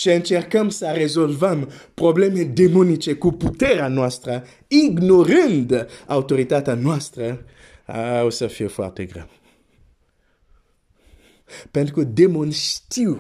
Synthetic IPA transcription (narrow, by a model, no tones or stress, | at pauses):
siə̃nt͡ʃɛʁkamsaʁezolvampʁoblɛmed̪emonit͡ʃekuput̪ɛʁanwast̪ɾə | iɡnoʁə̃nd̪awt̪oʁit̪at̪anwast̪ɾə | a̰usəfiefa̰ʁt̪eɡʁa̰m | pɛ̃nd̪kud̪emonist̪iw